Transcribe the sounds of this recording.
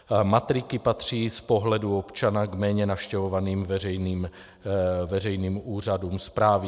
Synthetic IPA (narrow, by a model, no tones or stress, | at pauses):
mat̪ɾɪkɪpat̪r̝̥iːspo̞ɦlɛduo̞pt͡ʃanaɡmɛːɲɛnafʃcɛvo̞vaniːmvɛrɛjniːm | vɛrɛjniːmuːr̝aduːmspɾaːvɪ